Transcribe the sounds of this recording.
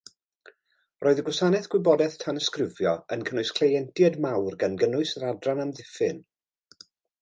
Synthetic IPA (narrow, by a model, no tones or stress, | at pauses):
rʔoːɨðəɡwɪsanɛθɡ̥wɪbɔdɛθtʰanəskrɪvjɔənkʰənʊɨskʰl̥ejɛntʰjadmawrɡanɡənʊɨsɾadranamðɪfɪn